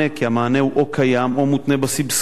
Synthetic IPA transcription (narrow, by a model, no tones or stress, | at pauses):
ekiamaːneuʔokʰajamomut̪nebasibs